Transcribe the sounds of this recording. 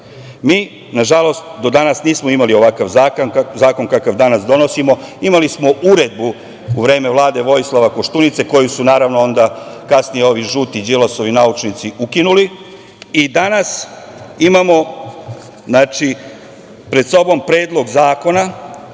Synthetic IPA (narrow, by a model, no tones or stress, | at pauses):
miː | naʒalo̞st̪d̪o̞d̪anasniːsmoimalio̞ʋakaʋzaːknzaːko̞nkakaʋd̪anasd̪o̞no̞simo̞imalismo̞ʔuɾe̞d̪̚bu | uʋɾe̞ːme̞ʋlˠaːd̪e̞ʋo̞jslˠaʋakoʃt̪unit̪se̞ko̞jusunaːɾaʋnoo̞nd̪akasnijeo̞ʋiʒuːt̪id͡ʒiloso̞ʋinaut͡ʃnit̪siukinuli | id̪anas | imamo̞ | znaːt͡ʃi | pɾe̞d̪so̞bo̞mpɾe̞ːd̪lˠo̞ɡzaːko̞na